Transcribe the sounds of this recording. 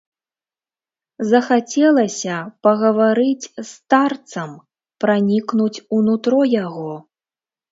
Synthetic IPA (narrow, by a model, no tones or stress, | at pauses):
zɐxat͡sʲɛlˠɐsʲɐpɐɣɐvaɾɨt͡sʲst̪art̪sɐm | pɾanʲiknut͡sʲunut̪ɾɔjaɣɔ